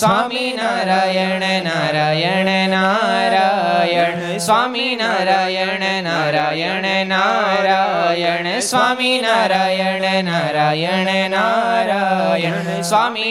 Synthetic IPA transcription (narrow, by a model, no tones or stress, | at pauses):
sʋaːminaɾaːjɐɳenaɾaːjɐɳenaɾaːjɐ | sʋaːminaɾaːjɐɳenaɾaːjɐɳenaɾajɐɳ | sʋaːminaɾajɐɳenaɾaːjɐɳenaɾajɐ | sʋaːmi